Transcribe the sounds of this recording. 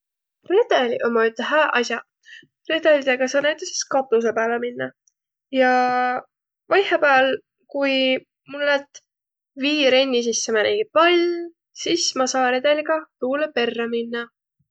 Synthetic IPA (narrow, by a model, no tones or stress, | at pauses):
re̞d̪̥elʲiʔomːɑyt̪ːeɦæːʔɑs̬ʲjɑ | re̞d̪̥elʲid̪eɡ̥ɑsɑːnæjt̪ːˑese̥skɑt̪ːˑus̬epæːleminːɑ | jɑ | vɑjhepæːl | kuj | mulolet̪ | viːɾe̞nʲːis̬isːemæneɡipɑlʲ | sismɑsɑːɾe̞d̪̥e̞liɡɑt̪uːlepe̞rːɑminːɑ